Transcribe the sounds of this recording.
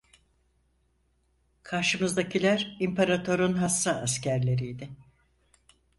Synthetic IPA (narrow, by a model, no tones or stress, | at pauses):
kʰaɾʃɯmɯzd̪acʰilʲæɾimpʰeɾat̪ʰo̞ɾunɦasːaːscʰæɾlʲe̞ɾijd̪ɪ